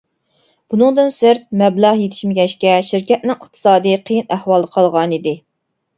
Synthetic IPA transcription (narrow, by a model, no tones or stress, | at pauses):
b̥unɨŋd̪ɨnsɪɾt̪̚mɛblɑʁjet̪ʰɪ̥ʃmɪɡʲɛʃkʲɛʃiɾkʲɛt̪̚nɪŋəχt̪ʰɨ̥sɑːd̪ɨqʰəjinæhwɑlˠəqʰɑlˠʁɑnid̪ɪ